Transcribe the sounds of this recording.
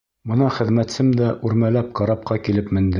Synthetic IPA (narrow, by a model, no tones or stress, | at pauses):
bɤ̆nɑχɘ̆ðmæt̪sɘmd̪æʔʉɾmælæp̚qɑɾɑp̚qɑkilɘpmɘ̆nd̪ɘ